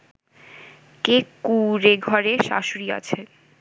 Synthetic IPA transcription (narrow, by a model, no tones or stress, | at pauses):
kekuɾeɡʱɔɾeʃa̰ʃuɾia̰t͡ɕʰe